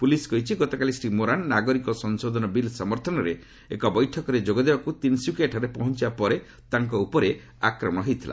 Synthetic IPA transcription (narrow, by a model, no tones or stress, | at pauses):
puliskɔɦit͡ʃʰiɡɔt̪ɔkalisɾimoɾanːaɡɔɾikɔsɔnsod̪ʱɔnɔbilsɔmɔɾt̪ʰɔnɔɾe | ḛkɔbɔjʈʰɔkɔɾed͡ʒoɡɔd̪ebakut̪insjukeʈʰɔɾepɔɦɔnt͡ʃibapɔɾe | t̪aŋkɔupɔɾe | akɾɔmɔ̃ɽ̃ɔɦejt̪ʰila̰